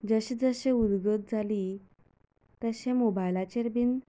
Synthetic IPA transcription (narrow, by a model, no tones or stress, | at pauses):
d͡zəɕid͡zəɕẽud̪ɡət̪̚d͡zʱali | t̪əɕẽmobajlat͡ɕeɾbin